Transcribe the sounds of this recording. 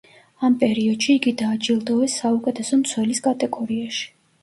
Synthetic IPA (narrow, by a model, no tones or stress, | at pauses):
ampʼɛɾiɔd̪̥ʃiːɡid̪aːd͡ʒilˠd̪ɔɛsːaukʼɛt̪ʰɛsɔmt̪sʰwɛliskʼat̪ʼɛɡɔɾiaʃi̥